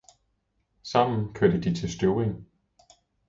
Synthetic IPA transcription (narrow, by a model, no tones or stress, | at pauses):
sɑ̈m̰n̩kʰøɐ̰d̥əd̥it͡sʰe̝lsd̥yːʁeŋ